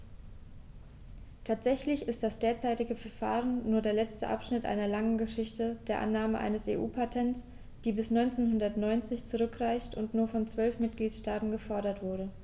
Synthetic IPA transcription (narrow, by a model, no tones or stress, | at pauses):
tʰaːtz̥ɛçlɪçɪstd̥asd̥eːɐt͡saɪtɪɡəfɛɐfa̰ːʁənːuːɐdeːɐlɛt͡stəʔa̰pʃnɪtʔa̰ɪnɐlaŋənɡəʃɪçtəd̥eːɐʔa̰nːaːməʔa̰ɪnəsḛːʔuːpʰatʰɛnts | d̥iːbɪsnɔʏnt͡seːnɦʊndɐtnɔʏnt͡sɪçt͡suʁʏkʁ̥aɪçtʊntnuːɐfɔnt͡sv̥œlfmɪt̚ɡ̥liːtʃtaːtn̩ɡəfɔɐɾɐtv̥ʊɐɾə